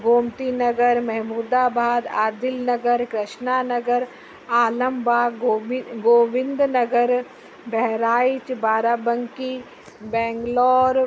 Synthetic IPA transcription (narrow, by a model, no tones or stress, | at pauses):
ɡoːmt̪inɐɡəɾmɛɦmuːd̪aːbʱaːd̪a̰ːd̪ɪlnɐɡəɾkɾɪʃnaːnɐɡəɾ | aːləmbaːoɡoːʋɪ̃nd̪nɐɡəɾ | bɛɦɾaːɪt͡ʃbaːɾaːbə̃ŋki | bɛ̃ːŋɡlɔːɾ